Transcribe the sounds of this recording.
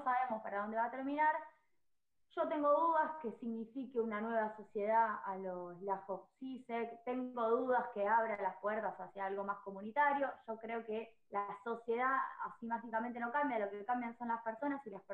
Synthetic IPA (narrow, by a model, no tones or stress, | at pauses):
osaβemospaɾaðo̞nd̪e̞βat̪eɾminaɾ | ʒ̥o̞t̪e̞ŋɡo̞ðuðaske̞siɣnifikeunanwe̞βaso̞sje̞ð̞aalolaxoksisekt̪eŋɡo̞ð̞uð̞askeaβ̞ɾalaspweɾt̪asasjaalɣo̞masko̞munit̪aɾjo̞ʃo̞kɾeo̞ke | laso̞sje̞ð̞aa̰simaxikamẽnt̪e̞no̞kambjalo̞kekambjanso̞nlaspeɾso̞nasilasp